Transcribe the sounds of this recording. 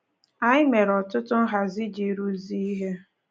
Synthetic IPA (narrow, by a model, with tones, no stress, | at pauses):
a˦ɪ˦me˨ɾɔ˨tʊ˦tʊ˦ɦa˨zi˦d͡ʒi˨ɾu˦zi˦i˦ɦe˦